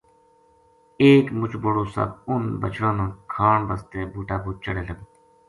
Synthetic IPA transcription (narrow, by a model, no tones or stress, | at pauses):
eːkmut͡ʃboɽoːsɐ̰bunbɐ̰t͡ʃʰɾãːnõkʰaːɳbɐst̪eːbuːʈaːbuːt͡ɕɐɽeːlɐɡ̪